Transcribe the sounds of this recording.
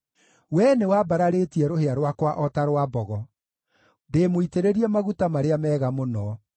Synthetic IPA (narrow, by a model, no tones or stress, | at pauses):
wɛnewabaɾaɾetiɛɾoheaɾwakwaʔɔtaɾwabɔɣɔ | ndemoiteɾeɾiɛmaɣutamaɾeamɛːɣamonɔ